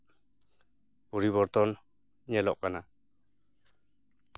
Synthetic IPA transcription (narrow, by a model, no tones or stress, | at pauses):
puɾiβɔɾt̪ɔn | ɲɛlɔʔkana